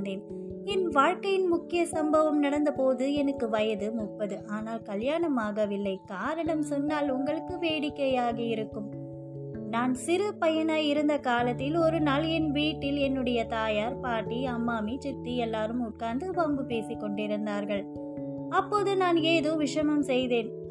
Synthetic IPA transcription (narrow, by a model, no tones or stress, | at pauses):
nd̪eːn | ɛnʋaːɻkɐjɪnmʊkːɪjɐsɐmbɐʋɐmnɐɽɐnd̪ɐpoːðɯɛnɯkːɯʋɐjɐðɯmʊʈpːɐðɯʔaːnaːlkɐljaːɳɐmaːɣɐʋɪlːɐɪkaːɾɐɳɐmsɔnːaːlʊŋɡɐɭɯkːɯʋeːɽɪkːɐjaːɣɐɪɾɯkːɯm | naːnsɪɾɯpɐjɐnaːjɪɾɯnd̪ɐkaːlɐt̪ːɪlɔɾɯnɐljɛnʋiːʈːɪlɛnːɯɽɐjɐt̪aːjaːɾpaːʈːiɐmːaːmit͡ʃɪk̚t̪ːiɛlːaːɾɯmʊʈ̚kaːnd̪ɯpɐmbɯpeːsɪkːɔɳɖɪɾɯnd̪aːɾɣɐɭ | ɐpːoːðɯnaːneːðoːʋɪʂɐmɐmsɛjðeːn